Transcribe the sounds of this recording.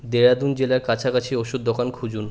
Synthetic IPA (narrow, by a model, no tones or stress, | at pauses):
d̪eɾad̪und͡ʑelaɾkat͡ɕʰakat͡ɕʰioʃud̪ːokankʰud͡ʑun